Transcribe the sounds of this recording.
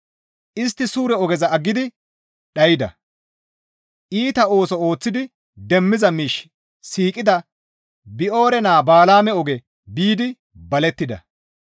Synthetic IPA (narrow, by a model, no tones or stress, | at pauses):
ʔɪst̪ːɪsuːɾɛɔɡɛzɐɐɡːɪd̪ɪ | ɗɐjɪd̪ɐ̰ | ʔiːt̪ɐo̞ːsɔo̞ːt͡sːɪd̪ɪ | d̪ɛmːɪzɐmiːʃ | siːkʼɪd̪ɐ | bɪʔo̞ːɾɛnaːbaːlaːmɛɔɡɛ | biːd̪ɪ | bɐlɛt̪ːɪd̪ɐ̰